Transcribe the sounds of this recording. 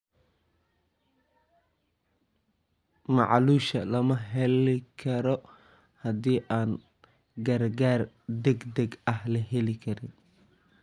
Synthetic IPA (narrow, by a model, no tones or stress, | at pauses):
mɑ̰ʕluːʃɐlɐmɐɦɛlɪkʰɐɾɔ | hɐd̪iːʔaːn | ɡɐrɡaːr | d̪ɛɡd̪ɛɡɐhlɐɦɛlɪkʰɐɾɪn